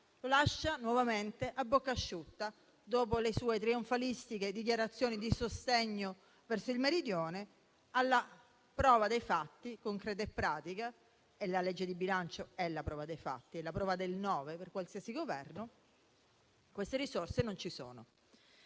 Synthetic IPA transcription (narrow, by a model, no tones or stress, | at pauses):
lolaʃːanwɔvament̪eʔabːokːaʃːut̪ːa | d̪oːpolesuːet̪̬ɾioɱfalist̪iked̪ik̬jaɾat̪sːjoːnid̪isost̪eɲːo | vɛrsoilmeɾid̪joːne | alːa | pɾɔːvad̪ejfat̪ːikoŋkɾɛːt̪aepːɾaːt̪ika | elaled͡ʒːed̪ibilant͡ʃoɛlːapɾɔːvad̪ejfa̰t̪ːielapɾɔːvad̪elnɔːveperkwalsiːasiɡovɛrno | kwest̪eɾisorsenont͡ʃiso̰ːno̰